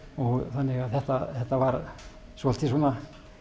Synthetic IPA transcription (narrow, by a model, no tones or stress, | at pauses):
ɔθanːiɣaθɛht̪aθɛht̪aʋɑɾ | suɔlt̪ʰːisunːa